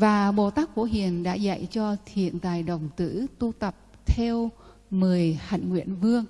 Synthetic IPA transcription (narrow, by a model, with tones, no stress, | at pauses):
vaː˨˩ɓo˨˩t̪aː˦˥k̚fo˧˩ɦḭ˧˨ənɗa̰ː˧˥za̰˧˨jt͡ɕɔ˧t̪ʰḭ˧˨ənt̪aː˨˩jɗə˨˩wŋ͡mt̪ɨ̰˧˥t̪u˧t̪ə˨˩p̚t̪ʰɛ˧w | mɨ˨˩əjha̰˧˨jŋ̟ŋwḭ˧˨ənvɨ˧əŋ